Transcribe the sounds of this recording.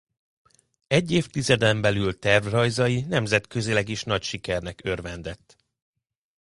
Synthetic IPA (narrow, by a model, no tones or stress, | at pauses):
ɛɟːeːft̪izɛd̪ɛmbɛlylt̪ɛrvrɒjzɒjinɛmzɛt̪køzilɛɡiʃn̪ɒcʃikɛrnɛkø̞rvɛnd̪ɛt̪ː